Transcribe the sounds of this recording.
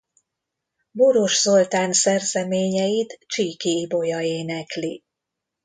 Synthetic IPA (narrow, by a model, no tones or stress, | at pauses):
boɾo̞ʃzo̞lt̪aːnsɛrzɛmeːɲɛjit̪t͡ʃiːkiːbo̞jɒeːnɛkli